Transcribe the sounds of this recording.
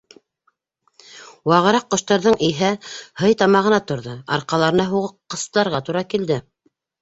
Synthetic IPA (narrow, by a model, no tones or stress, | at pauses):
wɑʁɤ̆ɾɑqːŏʃt̪ɑɾðɤɴʔiɦæhɤjt̪ɑmɑʁɤ̆nɑt̪ŏɾðɤɑ̰ɾqɑlˠɑɾɤ̆nɑɦuʁɤqqːɤ̆sɤlˠɑɾʁɑt̪uɾɑkild̪ɘ